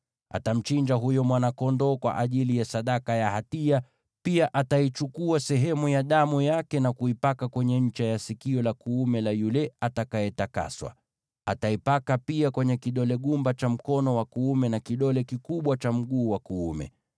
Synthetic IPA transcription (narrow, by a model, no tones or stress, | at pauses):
ʔa̰tam̩t͡ʃiɲd͡ʒaɦujɔmwanakɔndɔːkwa̰ʔaʄilijasaɗakajahatia | piaʔatait͡ʃukuasɛɦɛmujaɗamujakɛnakuipakakwɛɲɛɲ̩t͡ʃajasikiɔlakuumɛlajulɛatakaɛtaka̰swa̰ | ataipakapiakwɛɲɛkiɗɔlɛɠumbat͡ʃam̩kɔnɔwakuumɛnakiɗɔlɛkikuɓwat͡ʃam̩ɠuːwakuumɛ̰